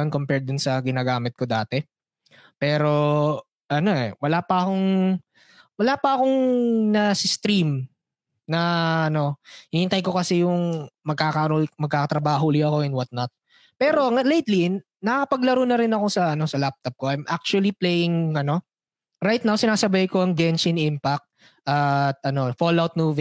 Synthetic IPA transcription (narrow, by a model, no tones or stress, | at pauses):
onkompɛɹd̪ʊnsɐɡɪnaːɡaːmɪt̪̚ko̞d̪aːt̪ɛ | pɛːɾo̞ | ʔɐno̞ʔɛ̰wɐlapɐɐko̞ŋ | wɐlaːpɐʔɐko̞ŋnɐsɪst̪ɾim | nɐʔɐno̞hɪnihɪnt̪ɐjko̞kɐsɛjʊŋmɐɡ̚kaːkɐʔɾomɐɡ̚kaːkɐt̪ɾɐbaːɦolɪɐko̞ɛnwɐt̪̚not̪̚ | pɛːɾo̞ɐlejt̪li | nɐkɐpɐɡlɐɾonɐɾɪnɐko̞sɐʔɐno̞sɐlap̚t̪ɐp̚koʔɐjmʔa̰k̚t͡ʃʊɐliplejɪŋɐno̞ | ɾajt̪̚nawsɪnaːsɐbajko̞ɐŋɡɛnt͡ʃɪnʔimpɐk̚t̪̚ | ʔɐt̪̚ʔɐno̞folawt̪̚muːv